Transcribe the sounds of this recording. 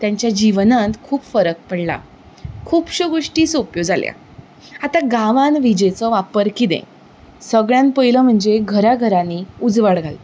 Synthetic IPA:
t̪jaɲt͡ɕjad͡ʑiʋnãnt̪kʰuːpfəɾək̚pəɽla̰ | kʰuːpɕoɡoʂʈiːsopjod͡zalja̰ | at̪aɡãʋãnʋid͡ʑet͡sɔʋapəɾkid̪ḛ̃ | səɡɭjãnpəjləm̤əɳd͡zeɡʱəɾaɡʱəɾanːiːud͡zʋaɽɡʱal

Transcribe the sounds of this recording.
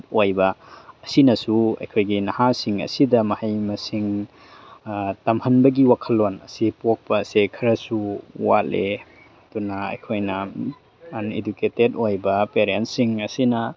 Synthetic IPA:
tojbɐːsinɐsuɐ̰jkʰojɡinɐhasiŋɐ̰sidɐmɐhɐjmɐsiŋ | tɐmhɐnbɐɡiwakʰɐlːonɐ̰sipok̚pɐːsekʰɐɾɐsuwa̰le | ɐdunɐɐ̰jkʰojnɐ | aneduketedojbɐpeɾentsiŋɐsinɐ

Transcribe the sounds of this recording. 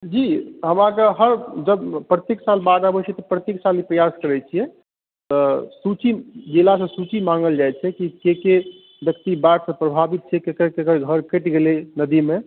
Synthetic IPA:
d͡ʒiɦəmãkeɦəɾd͡ʒəbpɾət̪jeksalbad̪abət͡ʃʰɛt̪ɔpɾət̪jeksalipɾəjaskəɾɛt͡ʃʰijɛ | t̪ɔsut͡ʃid͡ʒilasə̃sut͡ʃimaŋɡəld͡ʒajt͡ʃʰɛkikeke | bjəkt̪ibaʈsə̃pɾəbʱabit̪̚t͡ʃʰɛkekəɾkekəɾɡʱəɾkeʈɡelenəd̪ime

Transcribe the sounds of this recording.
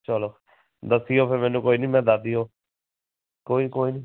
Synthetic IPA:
t͡ʃəloː | d̪əsiːjoːpʰeɾmɛ̃ːnũːkoːiːnĩːmɛ̃ːd̪aːd̪iɦoː | koːiːkoːiːnĩ

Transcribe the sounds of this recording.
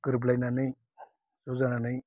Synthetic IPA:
ɡɯɾblajnanɯj | z̥ɔzananɯj

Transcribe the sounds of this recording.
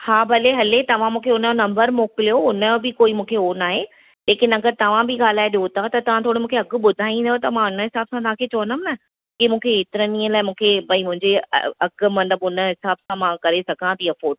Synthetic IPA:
haːbʱɐleɦɐlet̪ɐʋ̤ãmũːkʰeʊnonɐ̃mbəɾmoːkɪlijoʊnəobɪkoːimũːkʰeoːnaːɦe | leːkɪnɐɡəɾt̪ɐʋ̤ãbɪɠaːl̤aːeɗiot̪ʰat̪ɐt̪ɐʋ̤ãt̪ʰoːɽɪ̆mũːkʰeɐɡʊ̆ɓʊd̪ʱaːĩn̆d̪ot̪ɐmãʊnəɦɪsaːbsãt̪ɐãːkʰet͡ɕɐʋənəmnɐ | kɪmũːkʰeːt̪ɪɾənĩːə̃laːɪmũːkʰepɐ̃ĩmʊ̃ɦɪ̃ɲd͡ʑeɐ̰ɐɡ̆mɐ̃nəbʊnə̆ɦɪsaːbsãmãːkɐɾesɐɡʱãt̪ʰiːɐfoːɖ

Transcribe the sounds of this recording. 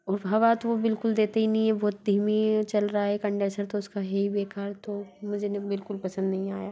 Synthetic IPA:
ɔːɾbʱɦɐʋat̪oʋobɪlkʊld̪eːt̪einɐɦĩɛ̃bɔːt̪̚d̪ʱiːmit͡ʃɐlɾɐaɦɛkɐ̃ɳɖəɾsəɾt̪oʊskaɦɛibeːkaːɾt̪omʊd͡ʒʱenebɪlkʊlpɐsə̃nd̪nɐɦĩaːjaː

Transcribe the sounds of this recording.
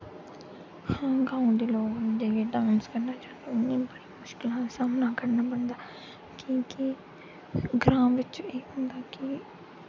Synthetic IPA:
hãːɡãːũd̪iːloːɡnd͡ʒəɡeɖãːnskəɾnaːt͡ʃãːnd̪eʊnːiːbəɽimʊʃkɪlãsaːmnãːkəɾnaːbəɳd̪aː | kĩːki | ɡɾãːmʋɪt͡ʃeːɦʊ̃nd̪aːki

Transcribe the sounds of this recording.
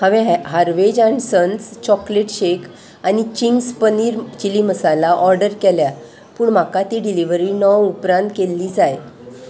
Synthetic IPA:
haʋeɦɦaɾʋed͡ʑansənt͡st͡ɕɔkleʈɕekʰ | anit͡ɕiŋɡspəniːɾt͡ɕiliːməsalaʔɔɾɖəɾkɛlja | puːɳm̤akat̪iːɖiliʋəɾiːnɔwupɾãnt̪̚kelːiːd͡zaj

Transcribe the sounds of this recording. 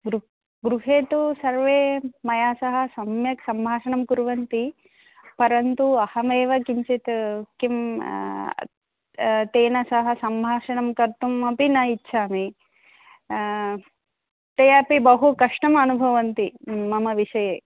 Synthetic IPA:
ɡɾu | ɡɾuɦeːt̪usɐɾʋeːmɐjaːsɐɦɐ̆sɐmjɐksɐmbʱaːʂɐɳɐmkuɾʋɐnt̪i | pɐɾɐnt̪uɐhɐmeːʋɐkiɲt͡ʃet̪kim | t̪eːnɐsɐɦɐ̆sɐmbʱaːʂɐɳɐmkɐɾt̪umɐpinɐitːʃʰaːmi | t̪ejɐpibɐɦukɐʂʈɐmɐnubʱɐʋɐnt̪imɐmɐʋiʂɐjeː

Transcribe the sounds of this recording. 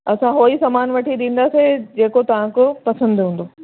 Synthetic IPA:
ɐsãɦoːisɐmaːnʋɐʈʰiɗ̪ĩːn̆d̪aːsed͡ʑeːkot̪ɐʋ̤ãkopɐsə̃nd̪ɦũːn̆d̪oː

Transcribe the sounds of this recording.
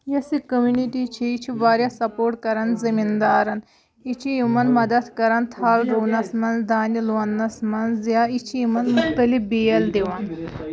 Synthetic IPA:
jɐsikəmjuniʈit͡ʃʰiit͡ʃʰiʋaːɾjasɐpoːɾʈ̚kɐɾanzɐmind̪aːɾɐn | it͡ʃʰijimɐnmɐd̪ɐt̪kɐɾant̪ʰaːlɾonɐsmɐnzd̪aːniloɐnːɐsmɐnjait͡ʃʰiimɐnmux̚t̪əlibijɐld̪eʋaːn

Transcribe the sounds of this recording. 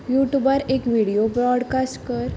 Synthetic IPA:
juʈjubaɾekʋiɽijobɾɔɽkasʈkəɾ

